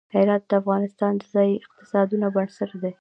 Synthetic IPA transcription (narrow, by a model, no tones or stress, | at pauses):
heɾɑt̪̚d̪əafɣɑnɪst̪ɑnd̪əzɑjɪq̚t̪ɪ̥sɑd̪unabaɳsəɾd̪e